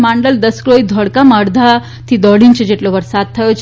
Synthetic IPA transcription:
maɳɖəld̪əskɾoid̪ʱɔɽkaməɽd̪ʱa | t̪id̪ɔɽiɲt͡ɕed͡ʑeʈloʋəɾsat̪ʰːəjot͡ɕ

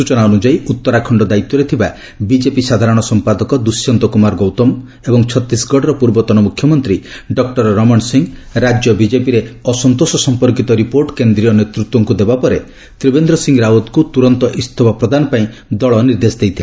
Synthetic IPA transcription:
sut͡ʃɔnaɔnud͡ʒaiut̪ːɔɾakʰɔɳɖɔd̪ait̪ːɔɾet̪ʰiba | bid͡ʒepisad̪ʱaɾɔɽ̃ɔsɔmpad̪ɔkɔd̪usjɔnt̪ɔkumaɾɡowt̪ɔm | ebɔŋt͡ʃʰɔt̪ːisɡʱɔɽɔɾɔpuɾbɔt̪ɔnɔmukʰjɔmɔnt̪ɾi | ɖɔk̚ʈɔɾɾɔmɔɳsiŋɾad͡ʒjɔbid͡ʒepiɾeɔsɔnt̪osɔsɔmpɔɾkit̪ɔɾipoɾʈkend̪ɾiɔnet̪ɾut̪wɔŋkud̪ebapɔɾe | t̪ɾibend̪ɾɔsiŋɡɾawɔt̪kut̪uɾɔnt̪ɔʔist̪ʰɔbɔpɾɔd̪ʱanɔpaĩd̪ɔɭɔniɾd̪esd̪ejt̪ʰile

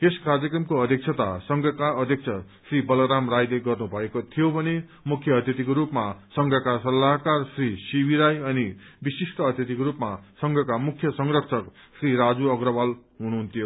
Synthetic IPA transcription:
eskard͡zʌkrʌmkoʌd̪ʱjʌk̚t͡sʰʌt̪a̰sʌŋɡʱʌkaʌd̪ʱjʌk̚t͡sʰʌ | sribʌlʌɾamrajleɡʌrnubʱʌekot̪ʰijobʱʌne | mukʰjʌːd̪ʱjʌt̪ikoɾupmasʌŋɡʱʌkasʌlːaɦkarsrisibiɾajʌnibisisʈʌʌd̪ʱjʌt̪ikoɾupmasʌŋɡʱʌkamukʰjʌsʌŋrʌksʰʌk | sriɾad͡zuʌɡrʌbalɦunuɦunt̪ʰijo

